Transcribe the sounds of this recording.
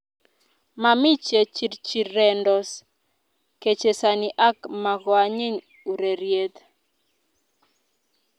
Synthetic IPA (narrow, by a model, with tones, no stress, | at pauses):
ma˨mi˦t͡ʃe˨t͡ʃi˨ɾt͡ʃi˨ɾːɛ˨ndɔ˨s | ke˨t͡ʃe˨sa˨ni˨ʔa˦kma˨ɡɔ˨a˨ɲe˦ɲ | u˨ɾe˨ɾje˦t̪